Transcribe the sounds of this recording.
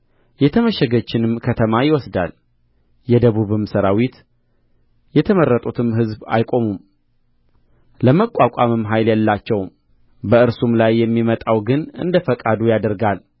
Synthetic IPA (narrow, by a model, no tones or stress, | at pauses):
jɛt̪ʰəməʃɛɡət͡ʃːɪnɨmkʰət̪ʰəmajɪwɔsd̪a̰l | jɛd̪əβuβɨmsəɾawit̪ | jɛt̪ʰəmərːət̪ʼut̪ʰɨmɦɨzba̰jkʼo̞mum | ləməkʼːakʼamɨmɦajljɛlːat͡ʃːɛwm | bəɨɾsumlajːɛmːimət̪ʼawɡɨnɨ̰nd̪əfəkʼad̪ujad̪əɾɡal